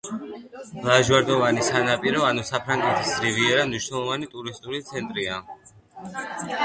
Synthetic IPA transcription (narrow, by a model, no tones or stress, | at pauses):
lˠaʒwaɾd̪ɔvanisanapʼiɾɔanusapʰɾaŋɡɛt̪ʰisɾiviɛɾamniʃwnɛlˠɔvanit̪ʼuɾist̪ʼuɾit̪sʰɛnt̪ʼɾia